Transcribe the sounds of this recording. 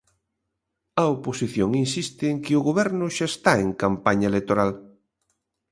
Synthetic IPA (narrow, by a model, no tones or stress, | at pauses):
ɐoposiθjoŋinsist̪ɪeŋkɪʊɣoβɛɾnʊʃaest̪aeŋkampaɲɐelet̪oɾal